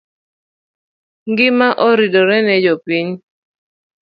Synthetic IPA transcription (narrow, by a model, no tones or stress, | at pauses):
ŋɡɪmaʔoɾidoɾɛnɛd͡ʒopiɲ